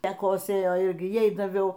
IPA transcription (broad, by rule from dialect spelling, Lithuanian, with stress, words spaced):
ˈtɐ ˈkoːsʲeːjoː ˈɪrʲɡʲɪ ˈjɛɪ dɐˈʋʲɛʊ